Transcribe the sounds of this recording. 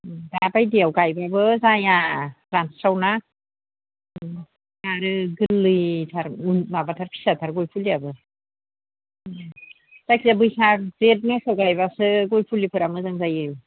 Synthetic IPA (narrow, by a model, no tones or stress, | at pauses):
dabajdiawɡajbabɯzaja | ɾansɾawna | naɾɯɡɯlːɯjtʰaɾunmabatʰaɾpʰi̥satʰaɾɡojpʰuliabɯ | z̥akʰizabɯjsazet̚nasawɡajbasɯɡojpʰulipʰɯɾamɯzaŋzajɯ